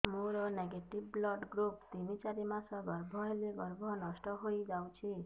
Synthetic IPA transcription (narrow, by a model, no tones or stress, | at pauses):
muɾɔneɡeʈibblɔɖɡɾupt̪imit͡ʃaɾimãsɔɡɔɾbʱɔeleɡɔɾbʱɔnɔsʈɔɦoid͡ʒaw̃t͡ʃʰi